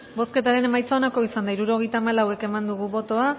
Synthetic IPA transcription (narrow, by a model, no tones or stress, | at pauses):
bo̞ske̞t̪aɾe̞ne̞majt͡saonako̞isand̪aiɾuɾo̞ɣe̞jt̪aːmalawe̞ke̞mand̪uɣuβo̞t̪o̞a